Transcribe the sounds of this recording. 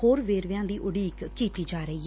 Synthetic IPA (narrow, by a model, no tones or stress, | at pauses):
hoːɾʋeːɾʋɪjãːd̪iːʔʊɽiːkkːiːt̪iːd͡ʒaːɾəiː